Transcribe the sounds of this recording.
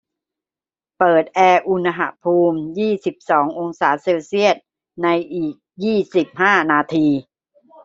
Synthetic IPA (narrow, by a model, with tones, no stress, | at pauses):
pɤː˨˩t̪̚ʔɛː˧ʔu˧na˧ɦa̰˧˩pʰuː˧mjiː˥˩si˨˩p̚sɔː˩˦ŋʔo˧ŋsaː˩˦seː˧wsi˥˩ət̪̚ | na˧jʔiː˨˩k̚jiː˥˩si˨˩p̚haː˥˩naː˧t̪ʰiː˧